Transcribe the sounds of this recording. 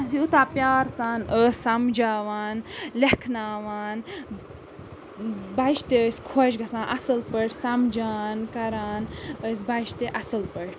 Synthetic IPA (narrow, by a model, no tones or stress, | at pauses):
ɐsiut̪aːpjaːɾsaːnəsʲːɐmd͡ʒaːʋaːnlekʰnaːʋaːn | bɐjʃt̪eəsʲkʰoʃɡɐsãːnʔɐsəlpəʈsɐmd͡ʒaːnkɐɾaːnəs̬bɐjʃt̪eʔɐsɨlpəʈʰ